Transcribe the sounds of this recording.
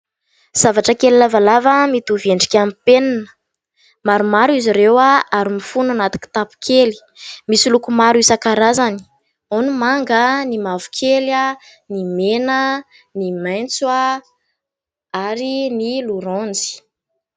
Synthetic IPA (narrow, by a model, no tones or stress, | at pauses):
z̥avaʈ͡ʂəkelilavalavamit̪uveɳɖ͡ʐi̥kʲamipenanə̥ | maɾumaɾuiziɾewaaɾimifunanat̪i̥kʲi̥t̪apu̥kʰeli̥ | misilukumaɾisakaɾazani̥ | onumaŋɡənimavu̥kʰela | nimenə | nimajnt͡swa | aɾiniluɾond͡zi̥